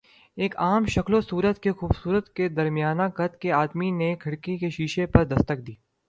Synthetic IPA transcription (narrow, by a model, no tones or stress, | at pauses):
eːkaːmʃɐkʰlosuːɾət̪kexuːbsuːɾət̪ked̪ɐɾmijaːnakɐt̪keaːd̪minekʰɐɽkikeʃiːʃepɐɾd̪ɐst̪ək̚d̪iː